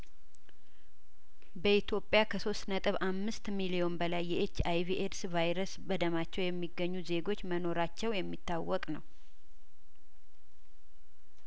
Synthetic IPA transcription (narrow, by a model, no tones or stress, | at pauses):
bəit̪jo̞pʼjakʰəso̞st̪nət̪ʼɨβamːɨst̪milio̞nbəlajːɛʔet͡ʃːajviʔedsvajɾəsbəd̪əmat͡ʃːɛwjɛmːiɡːəɲːuze̞ɡo̞t͡ʃːməno̞ɾat͡ʃːɛwjɛmːit̪ːawːɔkʼnəw